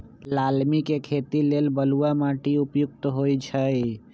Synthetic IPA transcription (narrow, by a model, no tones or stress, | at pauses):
lalmikekʰet̪ilelbəluamãʈiupjuk̚t̪ɦojt͡ʃʰə